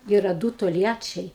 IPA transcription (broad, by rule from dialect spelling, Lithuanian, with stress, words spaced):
ˈiːrɐ ˈduː toːlʲˈjæːt͡ʃʲɛɪ